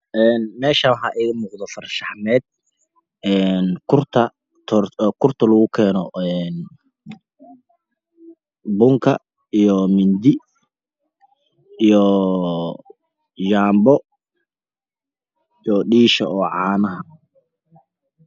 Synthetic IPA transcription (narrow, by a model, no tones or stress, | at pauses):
ʔɛːnmɛːʃawħɑʔɛɣɐmuːqd̪ɔfɐrʃɑħmɛːd̪̥̚ | ɛːnkʰʊrt̪ʰɐ | t̪ʰɔrkʰʊrt̪ʰɐlɐɣʊkʰɛːnɔɛːn | bʊŋkʰɐ | ijɔmɪnd̪ɪ | ijɔ | jaːmbɔ | jɔɖiːʃɐɔːʕɑːnɐɦɐ